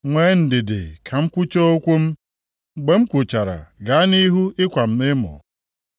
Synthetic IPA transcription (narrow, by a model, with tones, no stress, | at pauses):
ŋʷeː˨˦n̩˨dɪ˨dɪ̰˨kʰa˨m̩˦kʷʊ˦t͡ʃo˦o˦kʷu˦m̩˦ | ɡ͡be˨m̩˦kʷʊ˨t͡ʃa˨ɾa̰˨ɡa˨˦ni˦ɦu˦ɪ˦kʷa˨m̩˨mɪ˦mʊ̰˨